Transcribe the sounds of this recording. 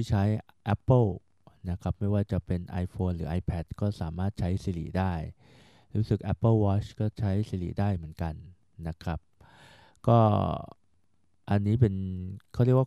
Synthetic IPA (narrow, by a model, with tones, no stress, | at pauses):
i˥˩t͡ɕʰa˦˥jʔɛ˦˥pːə˥˩ | na˦˥kʰɾa˦˥p̚ma˥˩jwaː˥˩t͡ɕa˨˩pe˧nʔaː˧jfʰoː˧nɾɯː˩˦ʔaː˧jpʰɛː˦˥t̪̚kɔː˥˩saː˩˦maː˥˩t̪̚t͡ɕʰa˦˥jsiː˧lḭ˨˩daː˥˩j | ɾuː˦˥sɯ˨˩k̚ʔɛ˦˥pːə˥˩wɔː˦˥t͡ɕkɔː˥˩t͡ɕʰa˦˥jsiː˧˩lḭ˨˩daː˥˩jmɯ˩˦ənka˧nː | a˦˥kʰɾa˦˥p̚ | kɔː˥˩ | ʔa˧nːiː˦˥pe˧nkʰa˥˩ɾi˥˩k̚waː˥